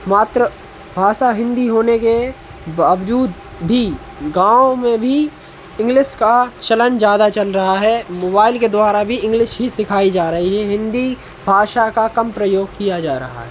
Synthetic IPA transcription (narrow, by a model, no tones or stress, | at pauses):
maːt̪ɾə | bʱaːʃaɦɪ̃nd̪iɦoːneke | baːʋd͡ʒuːd̪ | bʱi | ɡãːomẽbʱi | ɪ̃ŋɡlɪʃkat͡ʃɐlənd͡ʒjaːd̪at͡ʃɐlɾɐɦaɦɛmoːbaːɪlked̪waːɾabʱiɪ̃ŋɡlɪʃɦisɪkʰaːid͡ʒaːɾɐɦiɦɛɦɪ̃nd̪i | bʱaːʃakakɐmpɾəjoːɡ̚kijad͡ʒaːɾɐ̰ɦa̰ɦɛː